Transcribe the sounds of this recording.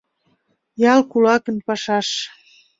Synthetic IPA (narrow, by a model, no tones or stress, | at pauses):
jɑlkulɑkənpɑʃɑʃ